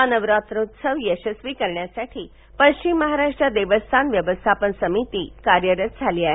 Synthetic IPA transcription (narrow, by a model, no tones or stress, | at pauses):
anəʋɾat̪ɾot̪səʋjəɕəsʋikəɾɳjasaʈʰiː | pəɕt͡ɕimːəɦaɾaʂʈɾad̪eʋəst̪ʰanʋjəʋəst̪ʰapənsəmit̪iːkaɾjəɾət̪̚d͡zʱaliaɦ